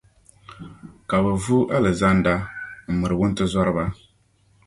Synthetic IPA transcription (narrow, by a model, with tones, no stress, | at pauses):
ka˨bɛ˨vu˦ʔa˦lɨ˨za˦nda˦m̩˨mɨ˨ɾɨ˨wʊ˦n˦tɨ˦zɔ˦ɾɨ˦ba˦